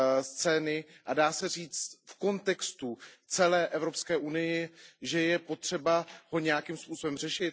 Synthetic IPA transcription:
st͡sɛːnɪʔadaːsɛriːt͡st̪fko̞nt̪ɛkst̪ut͡sɛlɛːʔɛvɾo̞pskɛːʔunɪjɪʒɛjɛpo̞t̪r̝̥ɛbaɦo̞ɲɛjakiːmspuːso̞bɛmr̝ɛʃɪt̪

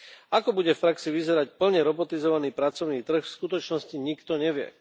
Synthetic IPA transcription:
akɔbuɟɛfpɾaksiʋizɛɾacpl̩ɲɛɾɔbɔt̪izɔʋaniːpɾat͡sɔʊniːt̪r̩xfskut̪ɔt͡ʃnɔsciɲikt̪ɔɲɛʋɪɛ̰

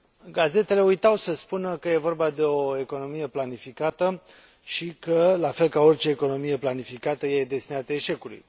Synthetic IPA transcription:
ɡaze̞t̪e̞le̞ujt̪awsəspunəkəje̞vo̞rbad̪e̞o̞e̞ko̞no̞mije̞planifikat̪ə | ʃikəlafe̞lkao̞rʲt͡ʃe̞ːko̞no̞mije̞planifikat̪əjeed̪e̞st̪inat̪əeʃe̞kulṵj

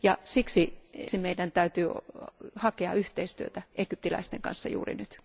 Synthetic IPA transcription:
jɑsiksisimeidænt̪æyt̪yːhɑkeɑ̰yht̪eist̪yøt̪æʔekyp̚t̪ilæ̰ist̪eŋkɑ̰nsːɑjṵːrḭnyt̪

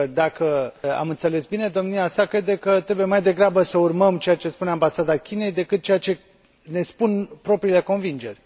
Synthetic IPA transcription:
d̪akəa̰mɨnt̪se̞le̞sbine̞d̪o̞mniasakɾe̞d̪e̞kət̪ɾe̞bujemajd̪e̞ɡɾabəsəurməmt͡ʃe̞jat͡ʃe̞spuneambasad̪akʲine̞jd̪e̞kɨt̪̚t͡ʃe̞jat͡ʃe̞ | ne̞spunpɾo̞pɾiːle̞ko̞nvind͡ʒe̞rʲ

